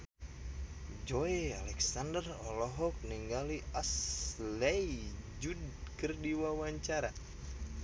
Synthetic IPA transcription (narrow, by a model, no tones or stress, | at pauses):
d͡ʒɔealɛksandərɔlɔɦɔk̚niŋɡaliaslɛjd͡ʒudkɨrdiwawaɲt͡ʃaɾa